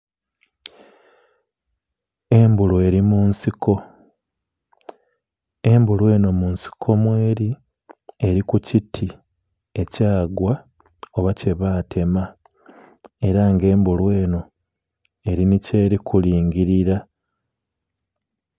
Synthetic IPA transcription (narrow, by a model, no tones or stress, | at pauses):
e̞mbulweɾimunsikʰo̞ | e̞mbulwe̞ːno̞munsi̥kʰo̞mwe̞ːɾi | e̞ɾikucitʰi | e̞caːɡwa | oβace̞βaːtʰe̞ma | e̞ɾaŋɡe̞ːmbulwe̞ːno̞ | e̞ɾinice̞ːɾikʰuliːŋɡiɾiɾa